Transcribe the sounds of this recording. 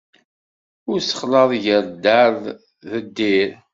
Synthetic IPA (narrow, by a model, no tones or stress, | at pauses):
ʊɾsə̥χlɑðˤʝəɾd̪aɾð | ðəd̪ːiɾ